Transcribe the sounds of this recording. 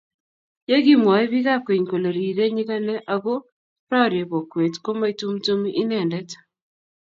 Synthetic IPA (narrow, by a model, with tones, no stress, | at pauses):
je˦ɡi˦mwa˨i˦βi˦ɣa˦kwe˨ɲko˨lo˨ɾi˨ɾe˦ɲi˦ka˦nɛ˦ʔa˨ɣo˦ | pɾa˦˨ɾje˨βo˨kwe˨tko˦ma˦i˦tu˦mto˦mi˦ʔi˦nɛ˦˨ndɛ˦t